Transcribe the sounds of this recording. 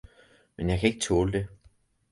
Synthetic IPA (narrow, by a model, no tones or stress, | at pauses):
menjäɪkʰæe̝ɡ̥ət͡sʰoːləd̥e̝